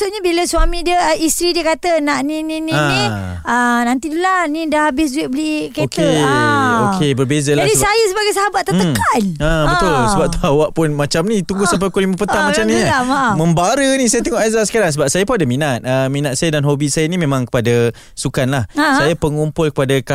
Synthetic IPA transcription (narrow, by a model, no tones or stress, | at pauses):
t̪ʊʔɲabiləswamĩdiəist̪ɾidiəkat̪ənaʔnĩninĩã | ənant̪idulanĩdahabɪs̬d͡ʒueʔbəlikek̪e | okʰebərbezalaadisajəs̬əbaɡajsəɦabat̪ːat̪əanabət̪ʊlsəbap̚t̪uawaʔpʊnmat͡ʃamnit̪uŋɡʊhsamp̬ajkolimapəaŋmat͡ʃamniamamə̃mbaɾənĩsajat̪əŋɔʔazasə̥kaɾaŋsəbap̚sajapuadamĩnat̪̚əminat̪sajadanɦobisajanĩmẽmãŋkə̥pada | sukanlahsajapəŋumpʊlkə̥padaka